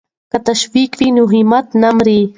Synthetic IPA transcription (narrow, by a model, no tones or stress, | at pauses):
kat̪aʃwikfinuɦimat̪namɾiː